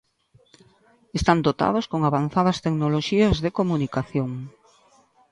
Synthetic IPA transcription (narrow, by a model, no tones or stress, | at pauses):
est̪and̪ot̪a̰ð̞ʊskoŋaβanθað̞ɐst̪eknoloʃiɐzðekomunikaθjoŋ